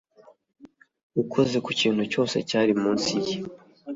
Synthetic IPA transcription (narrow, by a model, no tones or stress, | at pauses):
ukʰo̞ze̞kuciːn̥huco̞ːse̞̰caːɾimuːnsije